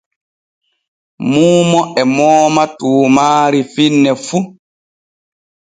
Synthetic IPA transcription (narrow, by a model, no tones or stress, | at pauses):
muːmɔɛmɔːmatuːmaːɾifinːɛfu